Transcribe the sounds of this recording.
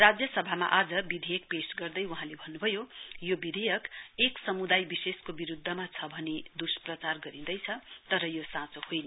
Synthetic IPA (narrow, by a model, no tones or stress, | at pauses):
rad͡zjʌsʌbʱama̰ʔad͡zʌbid̪ʱejʌk̚pesɡʌrd̪ʌjuɦãlebʱʌnːubʱʌjojobid̪ʱejʌkeksʌmud̪ajbiseskobiɾud̪ʱːʌmat͡sʰʌbʱʌned̪usprʌt͡sarɡʌɾĩd̪ʌjt͡sʰʌt̪ʌɾʌjosãt͡sohojnʌ